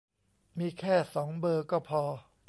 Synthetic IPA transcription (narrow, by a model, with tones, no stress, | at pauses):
miː˧kʰɛː˥˩sɔː˩˦ŋbɤː˧kɔː˥˩pʰɔː˧